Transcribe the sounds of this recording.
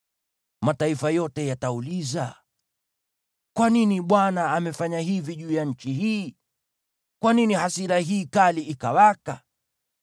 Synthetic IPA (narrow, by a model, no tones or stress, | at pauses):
mataifajɔtɛjatauliza | kwaniniɓwanaːmɛfaɲaɦiviʄuːjaɲ̩t͡ʃiɦiː | kwaninihasiɾaɦiːkaliikawaka